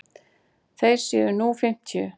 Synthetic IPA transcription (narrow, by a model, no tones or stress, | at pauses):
θejɾ̥sjɛ̰ðʏnuːfɪm̥t̪ʰjʏ